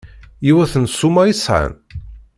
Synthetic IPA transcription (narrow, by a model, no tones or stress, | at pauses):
jiwæθənsːumaisʕə̰n